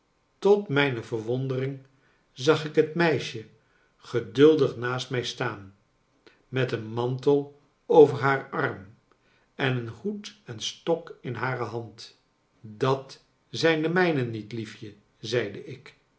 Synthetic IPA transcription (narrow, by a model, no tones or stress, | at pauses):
tɔtmɛjnəvəɹʋɔndərɪŋ | zɑχɪkɦətmɛjʃə | χədɵlˠdəχnaːstmɛjstaːn | mɛtənmɑntəlˠ | owvəɹɦaːɹɑrm | ɛnənhutɛnstɔkɪnɦaːrəɦɑnt | dɑt | zɛjndəmɛjnənːitlifjə | zɛjdəɪk